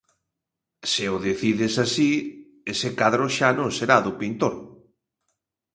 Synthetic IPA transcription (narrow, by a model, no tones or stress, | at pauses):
sɪʊðeθiðɪsasi | esɪkaðɾʊʃanõŋseɾaðʊpint̪oɾ